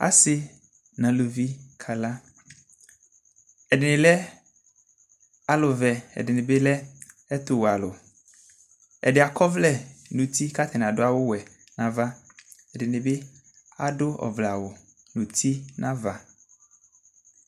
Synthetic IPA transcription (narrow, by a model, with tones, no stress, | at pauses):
a̰˨sɪ˦ | nã˨lo˨vi˦kʰa˨la˦ | ɛ˨dɪ˨nɪ̃˨lɛ˦ | a˦lʊ˨vɛ˨ɛ̰˨dɪ˨nɪ̃˨be˦lɛ˦ | ɛ˦t̪ʊ˨wa˨lʊ˨ | ɛ̰˨dɪ˨a˨kʰɔ˦vlɛ˦nũ˨t̪ʰi˦ka˦t̪ʰɪ˨nã˨dʊ˦a˦˨wʊ˦wɛ˨ | nã˨va˦ | ɛ˨dɪ˨nɪ̃˨be˦ | a̰˨dʊ˦ɔ̰˨vla˨wʊ˨ | nũ˨t̪ʰi˦nʔã˦va˨